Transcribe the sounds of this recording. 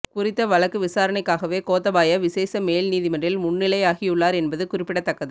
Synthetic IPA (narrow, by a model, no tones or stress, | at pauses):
kʊrɪt̪ːɐʋɐɭɐkːɯʋɪsaːɾɐɳɐɪkːaːɣɐʋeːkoːt̪ːɐbaːjɐʋɪseːsɐmeːlniːðɪmɐɳrɪlmʊnːɪlɐjaːɣijʊɭːaːɾɛnbɐðɯkʊrɪpːɪɽɐt̪ːɐkːɐðɯ